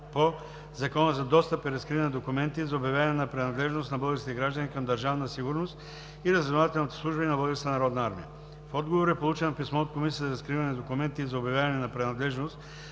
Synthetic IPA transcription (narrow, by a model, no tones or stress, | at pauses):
po | zɐkɔnəzɐd̪ɔst̪əpiɾɐskɾivɐnɛd̪okumɛnt̪izɐobjɐvjavɐnɛnɐpɾɛnɐd̪lɛʒnost̪nɐbɤlˠɡəɾst̪ɛɡɾaʒd̪ənikɐmd̪ɐɾʒavnəsiɡuɾnost̪ | iɾəzvɛnovat̪ɛlˠnit̪ɛ̥slˠuʒbəninɐbɤlˠɡəɾst̪ənɐɾɔd̪nɐaɾmḭə̰ | fɔd̪ɡovoɾɛpolˠut͡ʃɛnɐpismɔot̪̚komisiəzɐɾɐskɾivɐnɛd̪okumɛnt̪izɐobʲjavʲjavɐnɛnɐpɾɛnɐd̪lɛʒnost̪